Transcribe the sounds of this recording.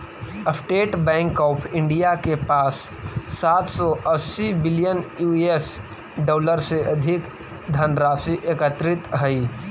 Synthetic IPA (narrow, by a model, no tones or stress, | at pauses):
əsʈeːʈbɛ̃ːŋkɔːpʰɪ̃ɳɖijakepaːsː | aːt̪ʰsɔʔɐsːibɪlijənjuːes | ɖɔːləɾseʔɐd̪ʱɪk | d̪ʱənɾaːsiʔeːkət̪ɾɪt̪ɦɐiː